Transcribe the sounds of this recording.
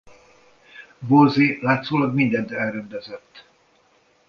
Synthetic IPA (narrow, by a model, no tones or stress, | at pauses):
bolzelaːt̪zoːlɒɡmind̪ɛnt̪ɛlrɛnd̪ɛzɛt̪ː